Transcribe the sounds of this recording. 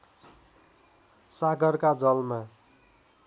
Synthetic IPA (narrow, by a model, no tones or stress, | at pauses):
saɡʌrkad͡zʌlma